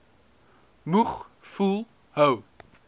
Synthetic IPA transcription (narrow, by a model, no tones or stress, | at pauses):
muχfulˠ | həw